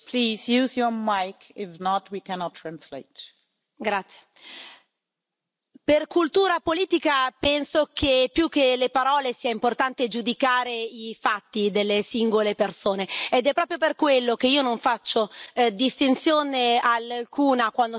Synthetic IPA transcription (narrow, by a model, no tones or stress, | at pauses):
pʰliːzjuzjɔmaɪkɪfnɔtʰwikʰɛnɔtʰːɹãnslḛɪt | ɡɾat̪sːje̥ | perkult̪uːɾapoliːt̪ikapɛnsokepːjuk̟ːelepaɾɔːlesiːaimport̪ant̪ed͡ʒud̪ikaːɾeifat̪ːid̪elːesiŋɡolepersoːneːd̪ɛpːɾɔːpɾjoperkwelːok̟eiːonoɱfat͡ʃːod̪ist̪int̪sjoːnealkʰuːnakwand̪o